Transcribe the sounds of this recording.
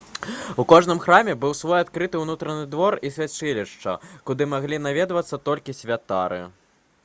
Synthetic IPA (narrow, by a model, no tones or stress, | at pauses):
ukɔʐnɨmxɾamʲɛbɨwsvɔjat̪kɾɨt̪ɨwnut̪ɾɐnɨd̪vɔrisʲvʲat͡ʂɨlʲiʂt͡ʂɐ̰kud̪ɨmaɣlʲinavʲɛd̪vɐt̪sːɐt̪ɔlʲkʲisʲvʲat̪a̰ɾɨ̰